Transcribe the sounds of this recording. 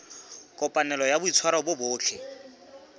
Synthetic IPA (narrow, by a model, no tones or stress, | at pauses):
kʼɔpʼanɛlɔjabʊit͡sʰwaɾabʊbʊːt͡ɬʰɛ